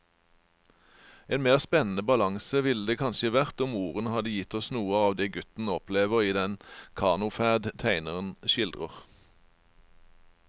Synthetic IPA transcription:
eːnmeːʁspɛnn̩əbɑlɑŋsəʋɪləd̪eːkʰɑnʃəʋæʁt̪ʊmuːʁənəhɑd̪əjɪt̪ɔsnuːəɑːʋd̪eːɡʉt̪n̩ɔpleːʋəʁiːd̪ɛnkʰɑːʁnʊfæːd̪t̪ʰæɪnəʁənʃɪld̪ʁəʁ

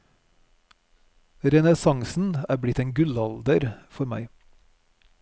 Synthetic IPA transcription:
ɾɛnəsɑŋsn̩æːɾblɪt̪eːnɡʉlɑld̪əɾfɔɾmæ̰ɪ

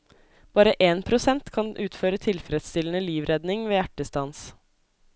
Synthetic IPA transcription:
b̥ɑːɾəʔeːnpʰɾʊsɛnt̪kʰɑnʔʉːt̪føːɾət̪ʰɪlfɾɛd̪st̪ɪlən̩əliːʋɾɛd̪nɪŋʋeːjæʈːəst̪ɑns

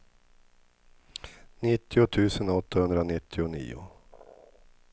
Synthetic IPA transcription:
nɪt̪ːɪʊt̪ʰʉ̟ːsənɔt̪ːahɵnd̪ɾanɪt̪ʰːɪʊnḭːʊ̰

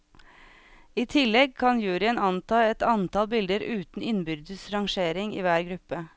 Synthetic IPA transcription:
iːt̪ʰɪlɛɡ̚kʰɑnjʉːɾɪənɑnt̪ʰɑːɛt̪ɑnt̪ʰɑlbɪld̪əɾʔʉːt̪n̩ɪnbʏɾd̪əsɾɑŋʃeːɾɪŋḭːʋæːɾɡɾʉpə

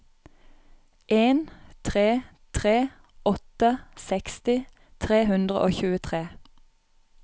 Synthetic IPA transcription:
ʔeːnt̪ʰʁeː | t̪ʰʁeː | ɔt̪əsɛkst̪ɪ | t̪ʰʁeːhʉnd̪ʁə̰ʔoːçʉːət̪ʰʁeː

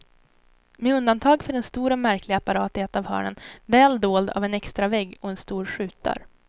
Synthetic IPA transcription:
meːɵnd̪ant̪ʰɑːɡfœɖɛnst̪uːɾɔmæɾklɪɡaapaɾɑːt̪ɪheat̪avhœ̰ːɳə̰nvɛːld̪oːld̪a̰vɛnɛkst̪ɾavɛɡːɔɛnst̪uːɾɧʉ̟ːt̪a̰ɾ

